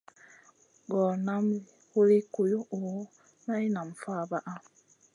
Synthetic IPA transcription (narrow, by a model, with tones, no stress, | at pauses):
ɡɔ˨na˦m˨hu˦li˦ku˨jo˦ʔo˨˦ | na˦i˦na˨m˨fa˦˨ba˦ʔa˦